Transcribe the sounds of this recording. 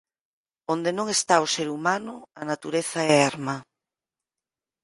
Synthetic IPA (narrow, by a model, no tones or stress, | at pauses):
ond̪enõŋest̪aoseɾumanʊanat̪uɾeθaɛeɾma